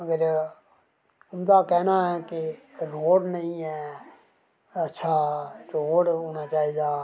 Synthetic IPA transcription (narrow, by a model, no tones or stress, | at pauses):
əɡəɾ | ʊmd̪aːkɛːnaːɦɛːkeɾoːɽnəɦĩːɛː | ətːʃʰaːɾoːɽɦoːnaːt͡ʃaːɦiːd̪aː